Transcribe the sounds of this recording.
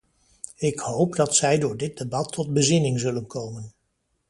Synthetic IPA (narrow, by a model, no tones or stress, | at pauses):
ɪkɦowpdɑtsɛjdʊːɹdɪd̚debɑtʰːɔd̚bəzɪnɪŋzɵlənkowmən